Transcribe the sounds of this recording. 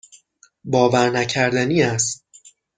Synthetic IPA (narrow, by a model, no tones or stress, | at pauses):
bɒːvæɾnæcʰæɾd̪æniːæst̪̚